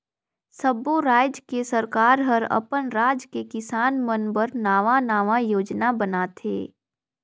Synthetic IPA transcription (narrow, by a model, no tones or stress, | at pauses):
səboɾaːd͡ʒkesəɾkaːɾɦəɾɐ̰pənɾaːd͡ʒkekɪsaːnmənbəɾnaːʋanaːʋajoːd͡ʒnabənaːt̪ʰḛː